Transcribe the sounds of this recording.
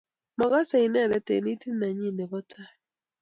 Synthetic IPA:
ma˨ɣa˦sa˨i˨nɛ˦˨ɾɛ˨tḛ˨ni˦ti˦na˨ɲi˦ne˨ɡɔ˦tʰa˦

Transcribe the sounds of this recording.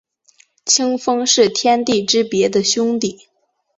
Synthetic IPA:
t͡ɕʰi˥ŋfɤ˥ŋʂɻ̩˥˩t̪ʰjɛ˥nt̪i˥˩ʈ͡ʂɻ̩˥pjɛ˧˥d̪ə˧ɕjʊ˥ŋt̪i˨˩˦

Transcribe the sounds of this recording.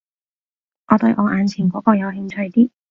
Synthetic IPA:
ʔɔː˨˧t̪ɵ˧ɥʔɔː˨˧ʔaː˨˧nt͡sʰiː˨˩kɔː˨˥kɔː˧jɐ˨˧whɪ˧ŋt͡ʃʰɵ˧ɥt̪iː˥

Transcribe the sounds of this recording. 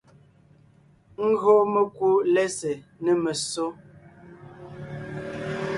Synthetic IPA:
ŋ̩˦ɡo˦mə˦kwo˦lɛ˦se˨nə˨mə˨so˦

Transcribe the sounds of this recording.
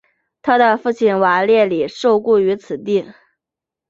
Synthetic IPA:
t̪ʰa˥d̪ə˨fu˥˩t͡ɕʰi˩nwa˧˥ljɛ˥˩li˨˩ʂo˥˧ʊku˥˩y˧˥t͡sʰɹ̩˨˩t̪i˥˩

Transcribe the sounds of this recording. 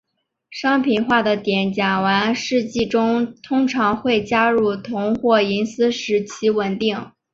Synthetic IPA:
ʂɑ˥ŋpʰi˨˩nxwa˥˩d̪ə˩t̪jɛ˨˩nt͡ɕja˨˩wa˧˥nʂɻ̩˥˧t͡ɕi˥˩ʈ͡ʂʊ˥ŋt̪ʰʊ˥ŋʈ͡ʂʰɑ˧˥ŋxwe˥˩ɪt͡ɕja˥ɻu˥˩t̪ʰʊ˧˥ŋxwɔ˥˩i˧˥nsɹ̩˥ʂɻ̩˧˥t͡ɕʰi˧˥wə˨˩nt̪i˥˩ŋ

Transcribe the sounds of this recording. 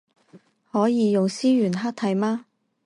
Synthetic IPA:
hɔː˨˥jiː˨˧jʊ˨ŋsiː˥jyː˨˩nɦaː˥k̚t̪ʰɐ˨˩jmaː˥

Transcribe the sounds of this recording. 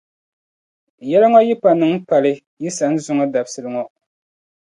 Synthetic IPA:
jɛ˦la˦ŋɔ˦ji˦pa˨nɨ˨ŋ˦pa˨lɨ˦ | ji˦sa˨˦n̩˦zʊ˦ŋɔ˦da˨bsɨ˨lɨ˦ŋɔ˦

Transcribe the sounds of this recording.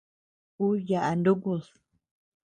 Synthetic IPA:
u˦ja˨ʔa˨nd̪u˦ku˧s

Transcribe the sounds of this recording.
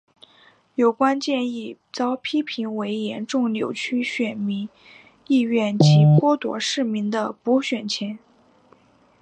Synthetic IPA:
jo˨˩ʊkwa˥nt͡ɕjɛ˥˧ni˥˩ | t͡sɑ˥ʊpʰi˥pʰi˧˥ŋwe˧˥ɪjɛ˧˥nʈ͡ʂʊ˥˩ŋljo˨˩ʊt͡ɕʰy˥ɕɥɛ˨˩nmi˧˥ŋ | i˥˧ɥɛ˥˩nt͡ɕʰi˧˥pwɔ˥t̪wɔ̰˧˥ʂɻ̩˥˩mi˧˥ŋd̪ə˧pu˧˥ɕɥɛ˨˩nt͡ɕʰjɛ˧˥n

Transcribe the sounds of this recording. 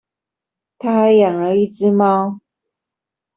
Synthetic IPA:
t̪ʰa˥xa˨˦ɪjɑ˨˩ŋɻə˨˧˥i˥˩t͡sɻ̩˥mɑ˥ʊ

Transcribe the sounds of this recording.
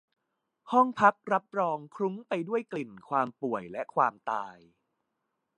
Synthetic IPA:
hɔ˥˩ŋpʰa˦˥k̚ɾa˦˥p̚ɾɔː˧ŋkʰɾu˦˥ŋpa˧jdu˥˩əjkli˨˩nkʰwaː˧mpu˨˩əjlɛ˦˥kʰwaː˧mt̪aː˧j

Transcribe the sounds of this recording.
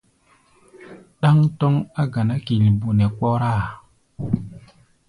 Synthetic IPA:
ɗa˦ŋtɔ˦ŋa˦ɡa˨na˦ki˨lbo˨nɛ˨k͡pɔ˦ɾa˦˨

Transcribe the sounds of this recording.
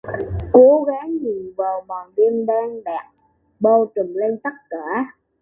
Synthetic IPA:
ko˨˦ɣaː˨˦ŋɲi˨˩nvaː˨˩wmɔ˨˩nɗi˧nɗaː˧ŋɗa̰ː˨˩k̚ | ɓə˧wt͡ɕə˨˩mle˧nsa˦˥k̚kaː˧˩˦

